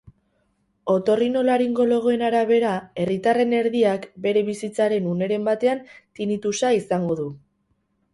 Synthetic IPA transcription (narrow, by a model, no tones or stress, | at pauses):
o̞t̪o̞rino̞laɾiŋɡo̞lo̞ɣoe̞naɾaβ̞e̞ɾae̞rit̪are̞ne̞ɾðiakbe̞ɾe̞βisit͡saɾe̞nune̞ɾe̞mbat̪e̞ant̪init̪usaisaŋɡo̞ðu